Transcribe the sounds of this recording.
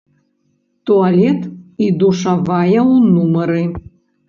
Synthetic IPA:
t̪ualʲɛt̪id̪uʂavajɛwunumɐɾɨ

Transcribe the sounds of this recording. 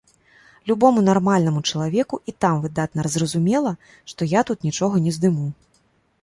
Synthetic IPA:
lʲubɔmunarmalʲnɐmut͡ʂɐlˠavʲɛkuʔit̪amvɨd̪at̪̚nɐɾɐzrɐzumʲɛlˠɐ | ʂt̪ɔjat̪ut̪nʲit͡ʂɔɣɐnʲɛzd̪ɨmu

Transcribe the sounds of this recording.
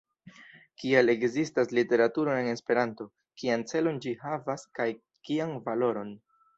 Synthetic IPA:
kiale̞ɡzistaslite̞ɾatuɾo̞nene̞spe̞ɾanto̞ | kiant͡se̞lo̞nd͡ʒihavaskaj | kianvalo̞ɾo̞n

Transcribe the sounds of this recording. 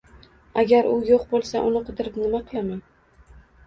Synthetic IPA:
aɡʲaɾʊjoqbolˠsaʔʊnɪqʰʊd̪ɪɾɪpnɪmaqʰɨlˠamaŋ

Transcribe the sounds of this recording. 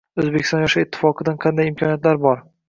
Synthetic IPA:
ɵzbekʲɪst̪ɒnjɒʃaɪt̪ʰːɪ̥fɒqʰɨd̪anqʰɑnd̪ajɪmkʰɒnijat̪laɾbɒɾ

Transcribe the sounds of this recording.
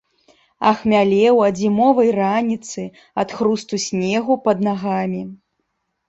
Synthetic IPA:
ɐ̰xmʲalʲɛwɐd͡zʲimɔvɐjranʲit̪sɨ | ɐt̪xɾust̪usʲnʲɛɣupɐd̪naɣamʲi

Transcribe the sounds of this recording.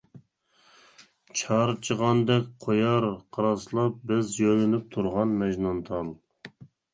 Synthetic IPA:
t͡ʃʰɑɾt͡ʃʰəʁɑnd̪ɛkʲqʰojɑɾqʰɑɾɑslˠɑp̚bɪzjønɪnɪp̚t̪ʰuɾʁɑnmɛʒnɑnt̪ʰɑlˠ

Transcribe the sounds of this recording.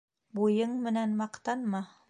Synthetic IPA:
bujɤɴmɘ̆nænmɑqt̪ɑnmɑ

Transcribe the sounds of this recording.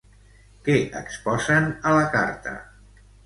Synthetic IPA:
kɛʔə̰kspɔzənələkaɾt̪ə̰

